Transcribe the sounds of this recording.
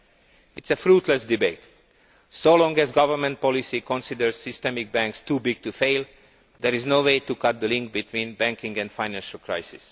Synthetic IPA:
ɪtsəfɹutʰlɛsdɪbeɪt | solɔ̃ŋɡɛzɡʌvə˞mɛ̃nt̚pɔlisikɔ̃nsɪdəɹz̥sɪstɛmɪk̚bæ̃ŋkstuːbɪɡ̚tufeɪl | d̪ɛɹiznoʊweɪtukʌt̪̚d̪əlɪ̃ŋk̚bitʰwĩnbæ̃ŋkɪ̃ŋɡɛ̃ndfãɪnæ̃nʃəlˠkʰɹaɪsɪs

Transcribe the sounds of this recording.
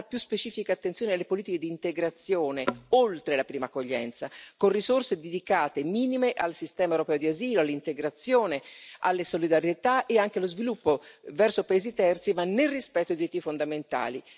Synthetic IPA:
pjuspet͡ʃiːfikat̪ːent̪joːnealːepoliːt̪iked̪iːnt̪eɡɾat̪sːjoːneolt̪ɾelapɾiːmakːoʎːɛ̰nt̪sakonrizorsed̪ed̪ikaːt̪emiːnimeʔalsist̪ɛːmaewɾopɛːod̪iaziːloalːint̪eɡɾat̪sːjoːnea̰lːesolid̪aɾjet̪aʔeaŋk̟elozvilupːovɛrsopaeːzit̪ɛrt̪simanːerispɛt̪ːodid̪iɾit̪ːifond̪ament̪a̰ːli

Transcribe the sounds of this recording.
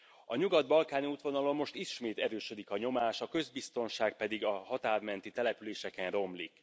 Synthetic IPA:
ɒɲuɡɒd̪̚bɒlkaːniuːt̪ʋo̞nɒlo̞mːo̞ʃt̪iʃmeːt̪ɛɾøːʃø̞d̪ikɒɲo̞maːʃɒkø̞zbist̪o̞nʃaːk̚pɛd̪iɡɒhɒt̪aːrmɛnt̪it̪ɛlɛpyleːʃɛkɛnro̞mlik

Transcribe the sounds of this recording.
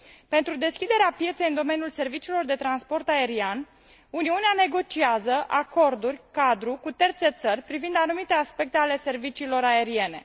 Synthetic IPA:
pe̞nt̪ɾud̪e̞skʲid̪e̞ɾeapjet̪se̞jɨnd̪o̞me̞njulse̞rvit͡ʃiːlo̞rd̪e̞t̪ɾanspo̞rt̪ae̞ɾian | uniuneane̞ɡo̞t͡ʃiazəʔako̞rd̪urʲkad̪ɾukut̪e̞rt̪se̞t̪sərʲpɾivind̪anumit̪e̞aspe̞k̚t̪e̞ale̞se̞rvit͡ʃiːlo̞ɾae̞ɾie̞ne̞̰

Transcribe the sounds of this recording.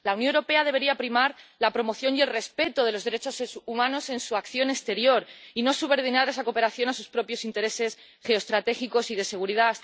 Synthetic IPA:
lawnjonewɾope̞aðe̞β̞e̞ɾiapɾimaɾlapɾo̞mo̞θjo̞nie̞lre̞spe̞t̪oð̞e̞lo̞zðeɾe̞t͡ʃo̞sumãno̞se̞nsuakθjo̞ne̞st̪e̞ɾjo̞ɾino̞suβe̞ɾð̞inaɾe̞sako̞pe̞ɾaθjo̞nasuspɾo̞pjo̞sint̪e̞ɾe̞se̞s | xe̞ost̪ɾat̪e̞xiko̞sið̞e̞se̞ɣuɾiða

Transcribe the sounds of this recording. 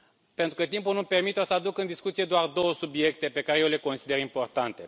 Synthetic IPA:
pent̪ɾukət̪impulnumpe̞rmit̪eosəad̪ukɨnd̪iskut̪sije̞d̪oard̪o̞wəsubie̞k̚t̪e̞pe̞kaɾejewle̞konsid̪e̞ɾimpo̞rt̪ant̪e̞

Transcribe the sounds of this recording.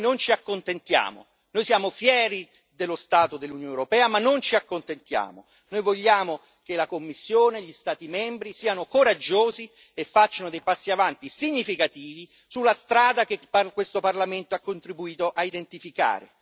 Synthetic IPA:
nont͡ʃiakːont̪ent̪ja̰ːmo̰ | nojsjaːmofjɛːɾi | d̪elːost̪aːt̪od̪elːunjoːnewɾopɛːamanːont͡ʃiakːont̪ent̪ja̰ːmo | nojvoʎːaːmo | kelakomːisːjoːneʎist̪aːt̪imɛmbɾisiːanokoɾad͡ʒːoːzi | efːat͡ʃːanod̪ejpasːiavant̪isiɲːifikat̪iːvi | sulːast̪ɾaːd̪ak̟epkːwest̪oparlament̪oakːont̪ɾibuiːt̪oʔaid̪ent̪ifika̰ːɾḛ

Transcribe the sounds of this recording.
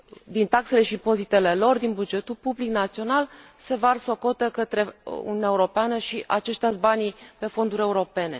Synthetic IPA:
d̪int̪akse̞le̞ʃipo̞zit̪e̞le̞lo̞rd̪inbud͡ʒe̞t̪ulpubliknat̪sio̞nalse̞varso̞ko̞t̪əkət̪ɾe̞ṵniunʲaeuɾo̞peanəʃiʔat͡ʃe̞ʃt̪easbanipe̞fo̞nd̪uɾʲe̞uɾo̞pe̞ne̞̰

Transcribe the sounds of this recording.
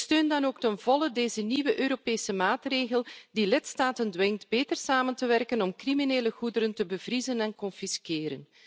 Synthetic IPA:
støːndɑnoːktənvɔlədeːzəniʋəʔøːɾopeːsəmaːtreːɣəlˠdilɪtstaːtəndʋɪŋtbeːtərsaːməntəʋɛrkənɔmkrimineːləɣudəɾəntəbəvrizənɛnkɔnfiskeːɾən

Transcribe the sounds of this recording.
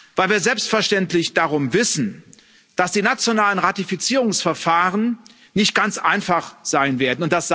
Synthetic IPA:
vaɪlviːɐzɛlpstfɛɐʃtɛntlɪçd̥aʁʊmvɪsn̩ | d̥asd̥iːnat͡sjonaːlənʁatifit͡siːʁʊŋsfɛɐfaːʁən | nɪçt̚ɡ̥ant͡sʔaɪnfaχz̥aɪnveːɐdn̩ʊnt̚d̥as

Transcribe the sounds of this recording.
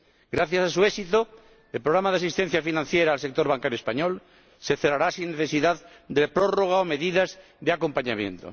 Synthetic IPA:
ɡ̥ɾaθjasasuesit̪o | elpɾoɣɾamaðeasist̪en̟θjafinãn̟θjeɾaːlsek̚t̪o̞ɾβaŋkaɾjoespaɲol | se̞θeraɾasinneθesiðað | d̪epɾoroɣ̞aome̞ðiðaz | ðeako̞mpaɲamjḛ̃nt̪o̰

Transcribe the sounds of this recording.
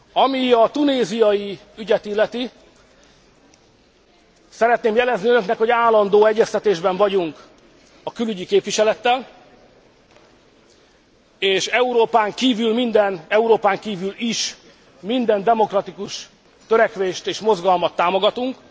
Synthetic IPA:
ɒmiɒt̪uneːzijɒji | yɟɛt̪ilːɛt̪i | sɛɾɛt̪neːmjɛlɛzniønø̞knɛkho̞ɟaːlːɒnd̪oːɛɟːɛst̪ɛt̪eːʒbɛɱvɒɟuŋk | ɒkylyɟikeːpvʋiʃɛlɛt̪ːɛl | eːʃɛuɾoːpaːŋkiːvylmind̪ɛnɛuɾoːpaːŋkiːvyliʃ | mind̪ɛnd̪ɛmo̞krɒt̪ikuʃ | t̪øɾɛkʋeːʃt̪eːʃmo̞zɡɒlmɒt̪ːaːmo̞ɡɒt̪uŋk

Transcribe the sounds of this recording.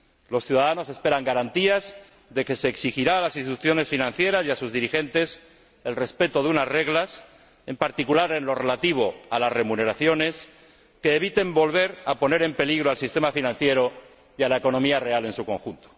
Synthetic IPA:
lo̞sθjuðaðano̞se̞spe̞ɾaŋɡaɾant̪iaz | ðe̞ke̞se̞ːksixiɾaːlasinst̪it̪uθjo̞ne̞sfinãn̟θje̞ɾasjasuzðiɾixe̞nt̪e̞s | e̞lre̞spe̞t̪o̞ðeunasre̞ɣlas | e̞mpaɾt̪ikulaɾe̞nlo̞re̞lat̪iβ̞o̞alazre̞mune̞ɾaθjo̞ne̞s | ke̞ːβit̪e̞mbo̞lβe̞ɾapo̞ne̞ɾe̞mpeliɣɾoalsist̪e̞mafinãn̟θje̞ɾo̞ | jalaeko̞no̞miare̞ale̞nsuko̞ŋxunt̪o̥

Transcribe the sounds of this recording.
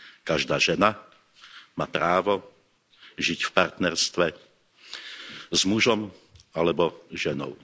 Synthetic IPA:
kaʒd̪aːʒɛna | maːpɾaːʋɔ | ʒicfpaɾt̪nɛɾst̪ʋɛ | zmuʒɔmalɛbɔʒɛnɔ̰ʊ

